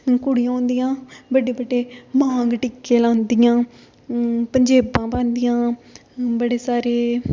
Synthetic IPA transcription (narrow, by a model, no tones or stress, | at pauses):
kʊɽɪjãːõːnd̪ɪjãːbəɖeːbəɖːeːmãːŋɡʈɪkːeːlãːnd̪ɪjãː | pəɲd͡ʒeːbãːpãːnd̪ɪjãː | bəɽeːsaːɾeː